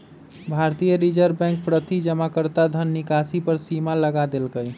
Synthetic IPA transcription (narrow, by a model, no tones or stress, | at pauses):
bʱaɾt̪ijəɾid͡ʒəɾbɛ̃ŋk̚pɾət̪id͡ʒəmakəɾt̪ad̪ʱənːikasipəɾsimaləɡad̪elkəj